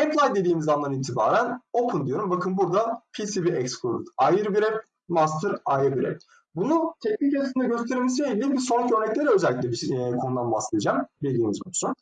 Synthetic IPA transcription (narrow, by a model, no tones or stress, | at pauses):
ɛplˠajd̪e̞d̪iːmizamˠaɾɯniːt̪ʰibaːɾæno̞pʰɯnd̪ijo̞ɾumbakʰɯnbuɾd̪apʰisibiɛkskʰuɾt̪ʰajɯɾbiɾɛ | mas̬t̪ʰɯɾajɯɾbiɾɛ̰ | bunut̪ʰɛclʲicʰesind̪ɛɟøst̪ʰe̞ɾilʲmis̬ieibiso̞nɾacʰiøɾnɛclʲe̞ɾɛø̞zɛælːʲic̬ʲlʲɛbikʰo̞nud̪anbahseijid͡ʒaːmbid̪ʲiːmizbʰonu̥sun